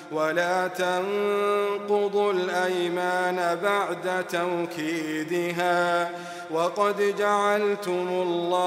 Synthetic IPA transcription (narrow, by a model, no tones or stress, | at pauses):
walaːt̪ɑŋ | qʊd̪ˤʊlʔajmaːnabaʕd̪at̪awkʰiːd̪ɪɦaː | wɑqɑd̪d͡ʒaʕalt̪ʊmʊlːɑː